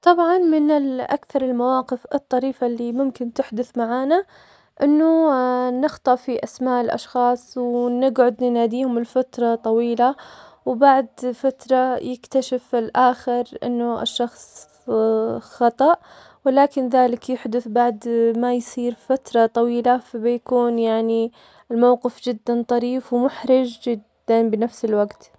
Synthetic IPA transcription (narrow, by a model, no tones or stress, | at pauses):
t̪ˤɑbʕɑnmɪnɪlʔa̰kθɑɾˤɪlmawaːqɪfɨ̰t̪ˤːɑɾiːfalːimʊmkɪnt̪ɪħd̪ʊθmaʕaːna | ʔɪnːʊnɪxt̪ˤɑʔfiʔasmaːʔlʔɑ̰ʃxɑːsˤwnɪɡʕʊd̪nɪnaːd̪iːhʊmɪlfat̪ɾˤɑt̪ˤɑwiːla | wbaʕd̪fat̪ɾˤɑjɪkt̪aʃɪfɪlʔaːxɪɾʔɪ̰nːʊʔɪ̰ʃːɑxsˤ | xɑt̪ˤɑʔ | wɪlaːkɪnðaːlɪkjɪħd̪ʊθbaʕd̪majsˤiːɾfat̪ɾˤɑt̪ˤɑwiːlafabjakuːnjaʕni | lmawqɪfd͡ʒɪd̪ːant̪ˤɑɾiːfwmʊħɾɪd͡ʒd͡ʒɪd̪ːanbɪnafsɪlwaɡt̪